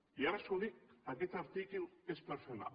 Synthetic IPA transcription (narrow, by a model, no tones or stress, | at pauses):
jaɾasoɾikaket͡saɾt̪ikinespeɾsona̰